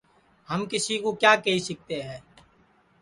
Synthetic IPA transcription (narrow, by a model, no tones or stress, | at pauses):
həmkɪsiːkoːkjaːkəɦiːsɪk̚t̪eːɦɛː